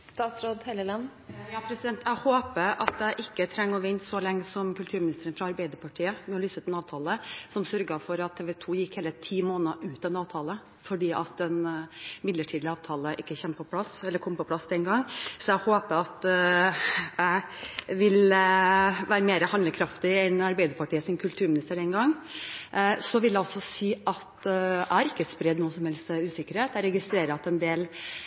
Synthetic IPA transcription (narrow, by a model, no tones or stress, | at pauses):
st̪ɑːt̪sɾoːd̪heləlɑnːjɑːpʰɾɛsɪd̪ɛnt̪ʰæɪhoːpəʔɑt̪̚d̪æɪʔɪkːət̪ʰɾɛŋːɔʋɪnt̪sɔlɛŋːəsɔmkʉlt̪ʰʉːɾmɪnɪst̪əɾənfɾɑɑɾbæɪd̪əɾpʰɑʈʰiːəmɛɔlyːsət̪ʰɪlɑːʋt̪ʰɑːləsɔmsœɾɡɑfɔɾɑt̪ʰːeːʋɛt̪ʰuːjɪkheːlət̪ʰiːmoːnɑʔʉːt̪ɛnɑːʋt̪ʰɑːlə | fɔɖiːʔɑt̪̚d̪ɛnmɪd̪ləʈʰiːd̪lɪɑːʋt̪ʰɑːləʔɪkːəçɛmːpʰɔpʰlɑsɛlːəɾkʰɔmpɔpʰlɑsd̪ɛnɡɑŋːsɔæhoːpəɾɑt̪ | ʋɪl | ʋæːɾəmeːɾəhɑnd̪əkʰɾɑft̪ɪɛnɑɾbæɪd̪əɾpɑʈʰiːəsɪnkʰʉlt̪ʰʉːɾmɪnɪst̪əɖɛnɡɑŋː | sɔʋɪljæɪɔsːɔsiːʔɑt̪ææɾɪkːəspɾɛd̪nuːəsɔmhɛlst̪ʉːsɪkːəɾheːt̪æɾɛɡɪst̪ɾeːɾəɑt̪ɛnd̪eːl